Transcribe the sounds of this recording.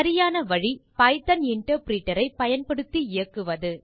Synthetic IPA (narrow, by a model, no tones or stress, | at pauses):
ɐɾɪjaːnɐʋɐɻipɐɪt̪ɐnɪɳʈɐɾpɾiːʈːɐɾɐɪpɐjɐnpɐɽɯt̪ːiɪjɐkːɯʋɐðɯ